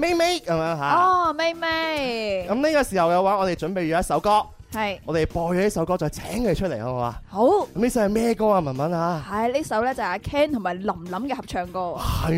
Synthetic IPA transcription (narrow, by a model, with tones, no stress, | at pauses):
me˥me˥jkɐ˨˦mjœː˨˧˥ŋɦaː˨˧ɔː˧˩me˥me˥jkɐ˨˦˥mnliː˥kaː˧siː˨˩hɐ˨˩wjɐ˨˧waː˨˥ŋɔː˨˧t̪e˨˩jt͡ʃɵ˨˥npe˨jɥɔ˨˧˦jɐ˥tsɐ˨˥wkɔː˥hɐ˨jŋɔː˨˧t̪e˨jpɔː˧jɔː˨˧ni˥s̬ɐ˨˥wkɔː˥t͡sɔː˨˧jt͡sʰɛ̰ː˨˥ŋke˨˧jt͡ʃʰɵ˥t̚le˨˩kɐ˨˦ŋɔː˨˧wa̰ː˨˧ho˨˥wkɐ˧˦mliː˦˥s̬ɐ˧˥hmɛː˥kɔː˥aː˧mɐ˨˩nmɐ˨˥naː˨˧hɐ˨jliː˥sɐ˨˥wlɛː˥t͡sɐ˨whaː˧kʰɛː˥nt̪ʰʊ˨˩ŋmaː˨˩jlɐ˨˩mlɐ˨˥mkɛː˧hɐ˨p̚t͡ʃʰœː˨˩ŋkɔː˧hɐ˨